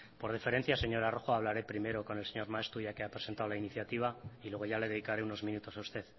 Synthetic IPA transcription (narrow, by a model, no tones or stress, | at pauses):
po̞ɾðife̞ɾe̞nθjaseɲo̞ɾaro̞xoaβ̞laɾe̞pɾime̞ɾo̞ko̞ne̞lseɲo̞ɾmae̞st̪uʝake̞apɾese̞nt̪aolainiθjat̪iβ̞ailweɣo̞ʝale̞ðe̞ðikaɾeuno̞zmĩnut̪o̞saust̪e̞ð